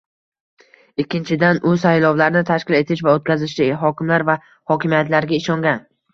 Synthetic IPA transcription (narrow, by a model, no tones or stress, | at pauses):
ɪkʲʰːɪnt͡ʃʰɪd̪anʊsajlˠɒwlaɾnɪt̪ʰaʃkʲɪle̞t̪ʰɪʃvaot̪̚kʲazɪʃd̪ɪɦɒkʲɪmlaɾva | hɒkʲɪmijat̪laɾɡʲaɪʃɒŋɡʲan